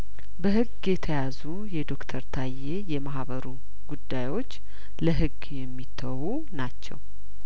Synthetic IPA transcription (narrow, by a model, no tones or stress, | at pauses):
bəɦɨɡːjɛt̪ʰəjazu | jɛd̪o̞kt̪ʰəɾt̪ʰajːejɛmaɦβəɾu | ɡ̥ud̪ːajwo̞t͡ʃː | ləɦɨɡ | jɛmːit̪ʰːəwu | nat͡ʃːɛ̰w